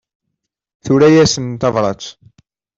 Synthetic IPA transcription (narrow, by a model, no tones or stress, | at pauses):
θuɾæjæsənt̪ɑvɾˤɑt͡sː